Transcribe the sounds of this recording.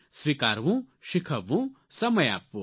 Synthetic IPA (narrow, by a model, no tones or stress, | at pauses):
sʋikaːɾʋũʃikʰɐʋũ | sɐmɐja̰ːpːũ